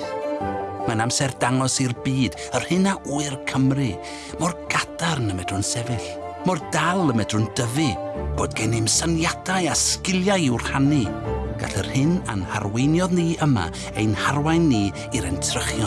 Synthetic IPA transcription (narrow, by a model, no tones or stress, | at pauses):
manamsɛrdaŋɔsirbiːd | ər̥hɨnaʔuɨrkʰəmrɨ | mɔrɡadarnəmɛdrʊnsɛvɨɬ | mɔrdalˠəmɛdrʊndəvɨb̥oːdɡɛnɪmsanjadajaskɪlˠjajɪwr̥hanɨɡ̥a̰ɬərhɨna̰nha̰rwejnjɔðniʔəma̰ | ejnharwajnːi | iɾɛntʰrəχjɔ